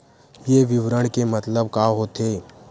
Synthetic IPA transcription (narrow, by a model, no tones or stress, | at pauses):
jeːʋɪʋɾəɽ̃kemɐt̪ləb̚kaɦot̪eː